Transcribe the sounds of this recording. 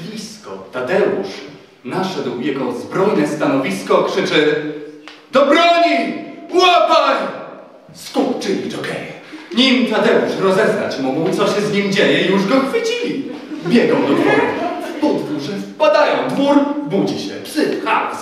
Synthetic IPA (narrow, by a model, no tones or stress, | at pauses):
blʲiskɔt̪ad̪ɛṵʂ | naʂɛd̪wjɛɡɔzbɾɔjnɛst̪anɔvʲiskɔkʂɘt͡ʂɘ | d̪̥ɔbɾɔɲipwapaj | skupt͡ʂɨiɔkɛjɲimt̪ad̪ɛuʂɾɔzɛzna̰t͡ɕmuɡwt̪sɔɕɛzɲimd͡ʑejɛijuʐɡɔxfɘt͡ɕibʲjɛɡɔwd̪ɔɡɛsput̪vuʐɘspad̪ajɔ̃w̃d̪vuɾbud͡ʑiɕɛpʂɘfxa̰s